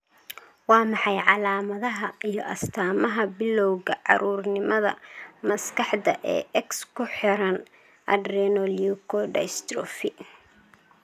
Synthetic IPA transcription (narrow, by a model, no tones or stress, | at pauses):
wɑːmɑħɑjʕɑlaːmɐðɐɦɐijɔʔɐst̪ʰaːmɐɦɐbɪlːɔwɣɐʕɑ̰ɾuːrnɪmɐðɐ̰mɐskʰɑħd̪ɐʔɛ̰ːʔɛkskʰʊħɪɾɐn | ʔɐd̪rɛnɔljukʰɔɖɛ̰jst̪ɾɔfɪ